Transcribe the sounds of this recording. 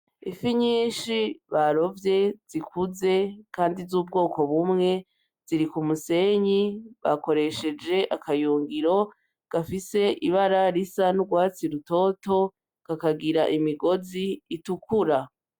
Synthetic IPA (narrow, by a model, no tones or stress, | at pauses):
ifiɲiːʃiβaɾo̞vje̞z̥ikʰuze̞kaːndizuːb̚ɡo̞ːko̞βumŋe̞ | z̥iɾikumuse̞ɲiβa̰ko̞ɾe̞ʃe̞d͡ʒe̞ʔakʰajuːŋɡiɾo̞ | ɡ̥afise̞ʔiβaɾaɾisanuɡwaːt͡siɾuto̞to̞ | ɡ̥akaɡiɾaʔimiɡo̞ziːtukuɾa